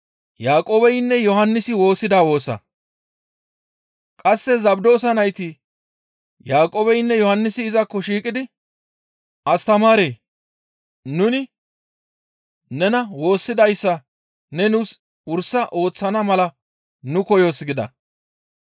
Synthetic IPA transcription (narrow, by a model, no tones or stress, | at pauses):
jaːkʼoːbɛjnːɛjɔhɐnːɪsɪwo̞ːsːɪd̪aːwo̞ːsɐ̰ | kʼɐsːɛzɐbd̪oːs̬ɐnɐjt̪i | jaːkʼoːbɛjnːɛjɔhɐnːɪsɪːzɐkːɔʃiːkʼɪd̪ɪ | ʔɐst̪ɐmaːɾeː | nʊnɪ | nɛnɐwo̞ːsːɪd̪ɐjsːɐ | nɛnʊs | ʊɾsːɐʔo̞ːt͡sːɐnɐmɐlɐ | nʊkɔjoːsɡɪd̪ɐ̰